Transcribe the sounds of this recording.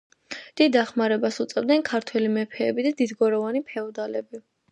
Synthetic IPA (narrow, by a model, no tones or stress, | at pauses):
d̪̥id̪ːaχmaɾɛbasut̪sʼɛvd̪nɛnkʰaɾt̪ʰwɛlimɛpʰɛːbid̪ad̪id̪ɡɔɾɔvanipʰɛɔd̪alɛbi